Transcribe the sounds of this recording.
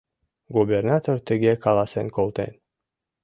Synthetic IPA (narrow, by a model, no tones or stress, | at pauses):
ɡubʲernat̪ort̪eɡʲekʰalˠasɨnkolˠt̪ḛn